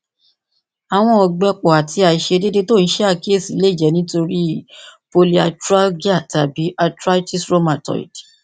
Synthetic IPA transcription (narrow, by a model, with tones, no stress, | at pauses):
a˨w̃ɔ̃˧ɔ˧ɡ͡bɛ˧k͡pɔ˨a˨ti˧a˨i˨ʃe˧de˦de˦to˦˨n̩˦ʃɛ˦a˦˨ke˦˨si˨˦le˦˨d͡ʒɛ˨˦nĩ˦to˧ɾi˦˨po˧li˦a˧tɾa˦ɡi˦a˦˨ta˨bi˨˦ʔa˧tɾa˦ti˦sɾo˦mã˨tɔ̰˨ḭ˨t